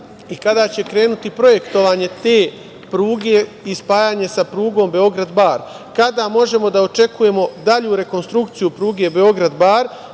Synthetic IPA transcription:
ikad̪at͡ɕe̞kɾe̞ːnut̪ipɾo̞je̞kt̪o̞ʋaːɲe̞t̪eː | pɾuːɡe̞ispaːjaːɲe̞sapɾuːɡo̞ːmbe̞o̞ɡɾad̪baːɾ | kad̪aːmo̞ʒe̞mo̞d̪ao̞t͡ʃe̞kuje̞mo̞d̪aʎuɾe̞ko̞nst̪ɾukt̪sijupɾuːɡe̞ːbe̞o̞ɡɾad̪baːɾ

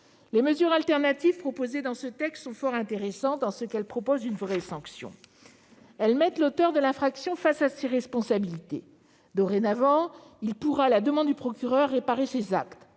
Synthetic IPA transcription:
leməzyʁalt̪ɛʁnat̪iv̥pχɔpozed̪ɑ̃sət̪ɛkst̪sɔ̃fɔʁɛ̃t̪eʁesɑ̃t̪ɑ̃səkɛlpχɔpozynvʁɛsɑ̃ksjɔ̰̃ | ɛlmɛt̪lot̪œʁd̪əlɛ̃fχaksjɔ̃fasaseʁɛspɔ̃sabilit̪ḛ | d̪oʁenavɑ̃ilpuʁalad̪əmɑ̃d̪d̪ypχɔkʲyʁœʁːepaʁesezakt̪

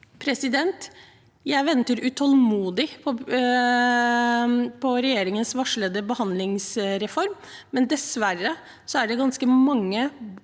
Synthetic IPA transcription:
pʰɾɛsɪd̪ɛnt̪ | jæɪʋɛnt̪əɾʉt̪ʰɔlmuːd̪ɪpʰɔ | pʰɔɾɛjeːɾɪŋənsʋɑʂɭəd̪əbəhɑnd̪lɪŋsɾɛfɔɾmː | ɛnd̪ɛsʋærːə | sɔæɖɛɡɑnskəmɑŋːə

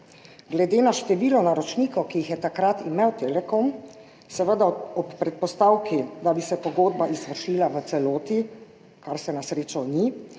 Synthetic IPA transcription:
ɡlɛd̪eːnaʃt̪ɛʋiːlɔnaɾɔt͡ʃniːkɔkijixjɛt̪akɾat̪imewt̪eːlɛkon | sɛʋəd̪aɔpːɾɛt̪̚pɔst̪awkid̪abisɛpɔɡoːd̪̚baʔizʋəɾʃiːlaʋət̪sɛloːt̪i | kaɾsɛnasɾeːt͡ʃawni

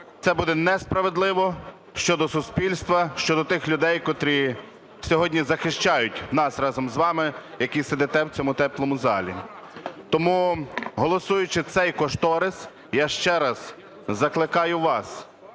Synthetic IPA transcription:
t̪sɛbud̪ɛnɛspɾɐʋed̪lˠɪʋɔ | ʃt͡ʃɔd̪ɔsʊspʲilʲst̪ʋɐʃt͡ʃɔd̪ɔt̪ɪxlʲʊd̪ɛjkɔt̪ɾʲi | sʲɔɦɔdʲnʲizɐxɪʃt͡ʃɑjʊtʲnɑsrɑzɔmzʋɑmɪjɐkised̪ɛt̪ɛwt͡sʲɔmʊt̪ɛplˠɔmʊzɑlʲḭ | t̪ɔmuɦɔlˠɔsujʊt͡ʃɪt̪sɛjkɔʃt̪ɔɾɪs | jaʃt͡ʃɛɾɐz̥ | zɐklˠɪkɑjʊʋɑs

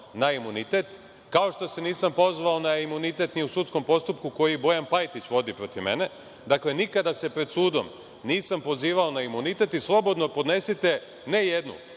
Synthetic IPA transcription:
naimunit̪e̞t̪ | kao̞ʃt̪o̞se̞niːsampo̞zʋaonaimunit̪e̞t̪niusut̪sko̞mpo̞st̪upkuko̞jibo̞janpajt̪it͡ɕʋo̞d̪ipɾo̞t̪iʋme̞̰ne̞ | d̪akle̞nikad̪ase̞pɾed̪suːd̪o̞̰m | niːsampo̞ziːʋaonaimunit̪e̞t̪islˠo̞bo̞d̪no̞po̞d̪ne̞sit̪e̞ | ne̞jed̪nṵ

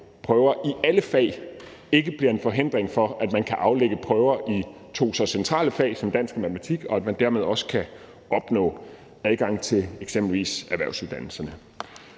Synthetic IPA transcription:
pʰʁœːʊɐʔiʔæləfɛ̰ɪ | e̝ɡ̥əb̥liɐe̝nfɒ̽ɦe̝n̰d̥ʁeŋfɒ̽æd̥mænkʰæʔɑ̈ʊleɡ̥əpʰʁœːʊɐʔi | t͡sʰo̝̰ːsɒsent͡sʰʁɑ̰̈ːləfɛ̰ɪsɒ̽md̥æn̰sɡ̥̚mæt͡sʰmæt͡sʰiɡ̥ɒ̽æd̥mænd̥æɐme̝ð̞ˠɒ̽sə̥kʰæ | ɒ̽b̥nɔ̰̽ː | æðˠɡ̥ɑ̈ŋ̰t͡sʰe̝leɡ̥sem̰b̥l̩ʋḭːsæʋæɐ̰ʊsuðˠd̥ænl̩sɐnə

